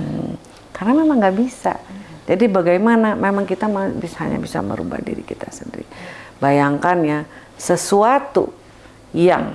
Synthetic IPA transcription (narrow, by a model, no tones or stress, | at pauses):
karnamemaŋɡaʔbisa̰d͡ʒadibaɡajmanamemaŋkit̪amabisaɦa̰ɲa̰bisa̰mə̰ɾuba̰hdḭɾikit̪asəndiɾḭbajaŋkanɲa | səsuat̪ṵ | ja̰ŋ